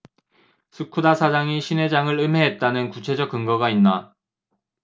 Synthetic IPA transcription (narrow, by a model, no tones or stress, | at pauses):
sʰɯkʰudasʰad͡ʑaŋiɕʰine̞d͡ʑaŋɯɭɯmɦe̞ɦet̚t͈anɯnkut͡ɕʰe̞d͡ʑʌk͈̚ɯŋɡʌɡainːa